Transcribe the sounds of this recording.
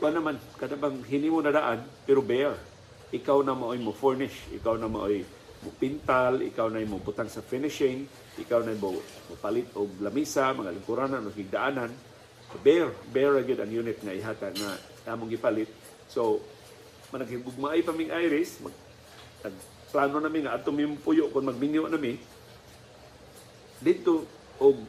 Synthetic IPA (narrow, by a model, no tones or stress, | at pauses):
kʊanamankanabaŋɦinimʊnadaʔanpɛɾobɛɹ | ʔɪkawnamaʔojmʊfɛɹnɪʃʔɪ̰kawnamaʔoj | mʊpint̪alɪ̰kawnajmʊbʊt̪aŋsafɪnɪʃɪŋ | ʔɪkawnajmʊ | mʊpalɪt̪ʊɡ̚lamisamaŋalʊŋkʊɾananoɡɪɡ̚daʔanan | bɛɾbɛɹaɡʊd̪aŋjunɪt̪̚ŋaiɦat̪aŋa | ʔaːmʊŋɡɪpalɪt̪̚ | so | manaɡiɡʊɡ̚maʔajpamiŋʔajɾɪsma̰ɡ | naɡ̚ | plaːnonamɪŋaʔad̪t̪omimʊpʊjʊʔkʊnmaɡ̚mɪŋjʊʔnamɪ | d̪ɪd̪̚t̪o | ʊɡ̚